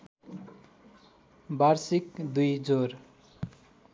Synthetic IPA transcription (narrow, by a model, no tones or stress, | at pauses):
baɾsikd̪ujd͡zor